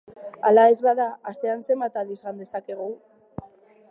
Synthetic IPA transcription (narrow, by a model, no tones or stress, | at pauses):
alae̞zβaðaast̪e̞anse̞mbat̪alizɣand̪e̞sake̞ɣ̞u